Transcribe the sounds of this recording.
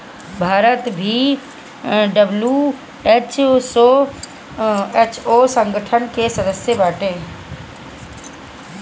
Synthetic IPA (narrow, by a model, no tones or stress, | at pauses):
bʱaːɾət̪bʱi | ɖəblu | eːt͡ʃso | eːt͡ʃosə̃ŋɡəʈʰənkesɐd̪əsjəbaːʈeː